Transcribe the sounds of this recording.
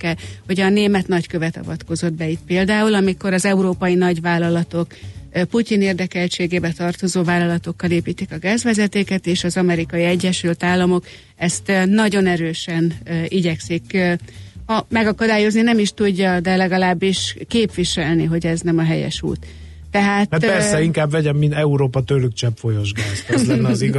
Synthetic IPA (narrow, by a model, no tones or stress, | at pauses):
kːɛlho̞ɟɒneːmɛt̪nɒckø̞vɛt̪ɒ̰vɒt̪ko̞zo̞d̪̚bɛit̪̚peːld̪aːulɒmiko̞ɾɒzɛuɾoːpɒjinɒɟʋaːlːɒlɒt̪o̞kput̪ineːrd̪ɛkɛlt͡ʃeːɡeːbɛt̪ɒrt̪o̞zoːvaːlɒlɒt̪o̞kːɒleːpiːt̪ːikɒɡaːzvʋɛzɛt̪eːkɛt̪eːʃɒzɒmɛɾikɒjiɛɟːɛʃylt̪aːlːɒmo̞k | ɛst̪nɒɟo̞nɛɾøːʃɛniɟɛksik | hɒmɛɡɒkɒd̪aːjo̞zninɛmiʃt̪uɟːɒd̪ɛlɛɡɒlaːbːiʃkeːpʋiʃɛlniɦo̞ɟɛznɛmɒɦɛjɛ̰ʃṵːt̪ː | ɛɦaːt̪ɛpɛrsɛiŋkaːbvɛɟɛmːint̪ɛuɾoːpɒt̪ølyk̚t͡ʃɛpfo̞joʒɡaːzt̪zlɛnːɛziɡ